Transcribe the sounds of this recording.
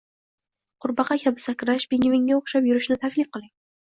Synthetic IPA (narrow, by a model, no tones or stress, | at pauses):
qʰʊɾbɑqʰɑkʲʰabɪsakʲɾaʃb̥eŋʲɪvɪŋːaoχʃapjʊɾɪʃnɪt̪ʰakʲlɪfqɨlˠɪŋ